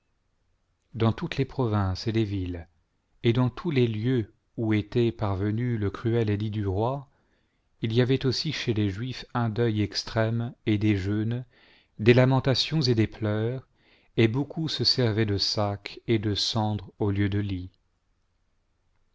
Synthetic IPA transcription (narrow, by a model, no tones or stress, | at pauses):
d̪ɑ̃t̪ut̪lepχɔvɛ̃sed̪evil | ed̪ɑ̃t̪ʰuleljø | uet̪ɛpaʁvənyləkχyɛlelid̪yʁwa | ilijavɛt̪osiʃeleʒɥifɛ̃d̪œjɛkst̪χɛmed̪eʒøn | d̪elamɑ̃t̪asjɔ̃zed̪eplœːʁ | ebokʰusəsɛʁvɛd̪əsakʰed̪əsɑ̃d̪ʁoljød̪əli